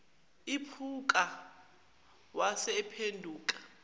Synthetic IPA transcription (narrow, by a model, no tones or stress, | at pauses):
ipʰukʼa | wasɛpʰendʱuːkʼḁ